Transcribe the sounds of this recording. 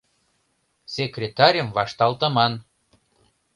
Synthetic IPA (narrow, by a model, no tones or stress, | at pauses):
sʲekrʲet̪ɑɾʲəmvɑʃt̪ɑlˠt̪ɤ̆mɑn